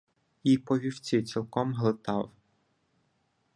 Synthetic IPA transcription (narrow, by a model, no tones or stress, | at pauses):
ipɔʋʲiwt͡sʲit͡sʲilˠkɔmɦlˠɪt̪ɑw